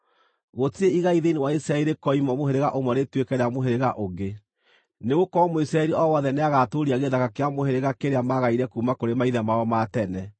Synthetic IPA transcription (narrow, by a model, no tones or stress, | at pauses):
ɣotieiɣaiðeinewaisɾaɛɾekɔimɔmoɦeɾeɣaʔomwanetwekɛɾeamoɦeɾeɣaʔoɣe | neɣokɔmoisɾaɛɾiʔɔwɔðɛneaɣatoɾiaɣeðaɣakeamoheɾeɣakeɾeamaɣaiɾɛkuːmakoɾemaiðamaɔmatɛnɛ